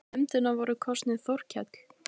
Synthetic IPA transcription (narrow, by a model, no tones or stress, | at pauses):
ɛmt̪ʏnavɔɾʏkʰɔst̪nɪðθɔwr̥cʰɛt̪l̥